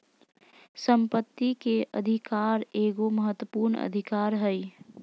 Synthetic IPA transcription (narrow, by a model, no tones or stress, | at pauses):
səmpət̪ːikeʔə̰d̪ʱikaːɾeːɡoməɦət̪wəpuːɾnə̰d̪ʱikaːɾɦəi